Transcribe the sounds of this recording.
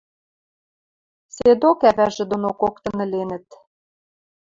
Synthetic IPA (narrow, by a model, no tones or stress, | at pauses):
sed̪okæβæʒĕd̪onokokt̪ɤ̆nɘ̆lenə̆t̪̚